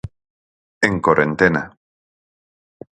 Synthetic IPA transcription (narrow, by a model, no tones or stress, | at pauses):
eŋkoɾent̪ena